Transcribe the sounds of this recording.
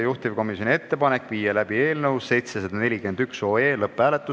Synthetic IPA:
juht̪ivko̞misjo̞nie̞t̪ːe̞pɑnekːˑviːjelæb̥ie̞ːlnɤwsse̞jt̪sesed̪̥ɑne̞lʲike̞nd̪ykso̞ːeːlɤpːˑæːlet̪ːˑus

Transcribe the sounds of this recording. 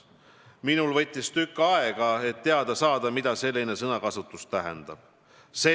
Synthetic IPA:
minulvɤ̞t̪ʲːˑist̪ykːˑɑeɡ̥ɑe̞t̪ːe̞ɑd̪̥ɑsɑːd̪̥ɑmid̪̥ɑse̞lʲːine̞sɤnɑkɑsut̪ːˑust̪æɦḛnd̪̥ɑb̥ | se

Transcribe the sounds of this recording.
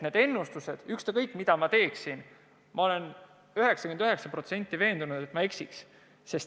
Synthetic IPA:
ne̞d̪e̞nːust̪use̞d̪̥ykst̪ekɤjkːˑmid̪̥ɑmɑt̪e̞ːksin | mɑo̞le̞n | yɦe̞ksɑkyend̪yɦe̞ksɑpro̞t̪se̞nʲt̪ːˑive̞ːnd̪unud̪̥e̞t̪mɑe̞ksiks | se̞st̪

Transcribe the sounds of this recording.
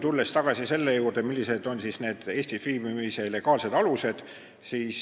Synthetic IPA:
t̪ulːest̪ɑɡ̥ɑsise̞lːe̞juːrd̪̥e̞milʲːise̞d̪o̞nsisne̞ːd̪̥e̞ːsʲt̪ifiːmimisɑile̞ɡ̥ɑːlse̞d̪ɑluse̞d̪̥ | siːs

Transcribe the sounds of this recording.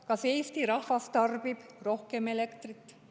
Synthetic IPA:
kɑsejst̪iɾɑhvɑst̪ɑrb̥ib̥ro̞hkemelekt̪rit̪ː

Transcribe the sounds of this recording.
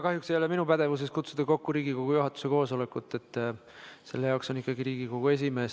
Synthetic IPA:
kɑɦjukse̞jo̞le̞minupæd̪̥e̞vus̬eskut̪sud̪̥ɑko̞kːuɾiːɡikoɡ̥ujuɦɑt̪ːˑu̥se̞ko̞ːso̞lekːˑut̪ːˑe̞t̪ːˑ | se̞̰lːe̞jɑˑksonikːˑɑɡiɾiːɡ̥iko̞ɡ̥ue̞s̬ʲime̞ːs

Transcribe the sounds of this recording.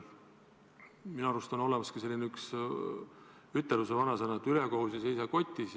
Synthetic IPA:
minɑɑɾust̪ɑno̞lemɑskise̞lʲːineyks | yt̪ːelusevɑnɑsenɑt̪yleko̞husjɑse̞jsɑko̞t̪ʲːˑis

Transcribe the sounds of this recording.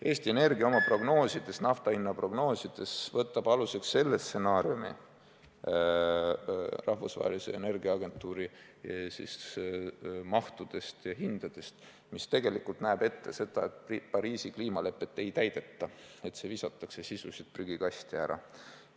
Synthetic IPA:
ʔe̞ːst̪ie̞ne̞rɡ̥iɑo̞mɑpro̞ɡ̥no̞ːsid̪̥e̞snɑft̪ɑinːɑpro̞ɡ̥no̞ːsid̪̥e̞svɤt̪ːˑɑb̥ɑluse̞ksːe̞lːest̪se̞nɑːɾiumḭ | rʔɑhvusvɑ̰ɦḛlisḛḛne̞rɡiɑɑɡ̥e̞nt̪ːˑuːɾi | sḭs | mɑht̪ud̪̥e̞st̪jɑɦind̪̥ɑd̪̥e̞st̪ | mist̪e̞ɡe̞likult̪næːb̥e̞t̪ːe̞se̞d̪̥ɑet̪ipɑɾiːsikliːmɑle̞pːˑe̞t̪ːe̞jt̪æjd̪̥e̞t̪ːɑe̞t̪se̞visɑt̪ːˑɑksesisusit̪̚pryɡ̥ikɑst̪iæɾɑ̰

